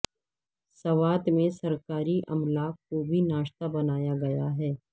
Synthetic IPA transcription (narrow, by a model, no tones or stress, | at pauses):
sɐʋaːt̪mẽsɐɾkaːɾiʔɐ̰mlaːkkobʱinaːʃt̪abɐnaːjaɡɐjaɦɛː